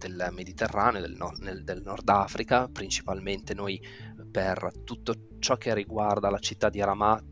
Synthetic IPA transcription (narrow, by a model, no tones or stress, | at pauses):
d̪elmed̪it̪erːaːneod̪elɔned̪elnɔrd̪afɾikapɾint͡ʃi̥palment̪enoj | pert̪ut̪ːo | t͡ʃɔk̟ːerːiɡward̪alat͡ʃit̪ːad̪iɾama